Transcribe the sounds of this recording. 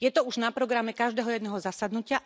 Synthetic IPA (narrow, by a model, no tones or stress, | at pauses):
jɛt̪ɔuʒnapɾɔɡɾamɛkaʒd̪ɛːɦɔjɛd̪nɛːɦɔzasad̪nucɪa